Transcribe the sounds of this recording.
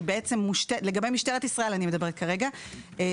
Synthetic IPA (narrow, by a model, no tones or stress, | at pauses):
beet͡se̞mːuʃt̪ele̞ɡabemiʃt̪eʁet̪isʁaʔe̞lanime̞dabe̞ʁtkaʁe̞ɡa